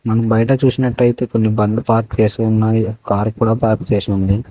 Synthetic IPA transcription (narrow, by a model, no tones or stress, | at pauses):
mɐnɐmbɐjɐʈɐt͡ʃuːsinɐʈːɐjt̪e̞ːko̞nːibɐɳlupaːɾput͡ʃeːskunːakaːɾkuːɽaːpaːɾpu̥t͡ʃeːsɐund̪i